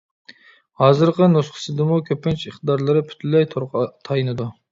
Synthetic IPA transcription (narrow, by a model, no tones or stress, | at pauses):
hɑːzɨɾqənusqʰə̥sɨd̪ɨmukʲʰøpɪnt͡ʃiχt̪ɨd̪ɑɾlˠɨɾɨpʰy̥t̪ʰylɛjt̪ʰoɾqt̪ʰɑjɨnɨd̪u